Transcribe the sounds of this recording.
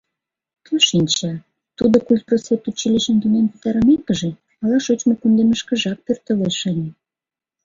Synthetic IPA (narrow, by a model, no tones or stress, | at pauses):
t̪əʃinʲt͡ɕɑ | t̪ud̪okulʲt̪̚prot͡set̪ut͡ɕiliʃənt̪unenpu̥t̪ɑɾə̆mekə̆ʒe | ɑlɑʃot͡ɕmokund̪eməʃkə̆ʒɑk̚pørt̪əleʃənʲe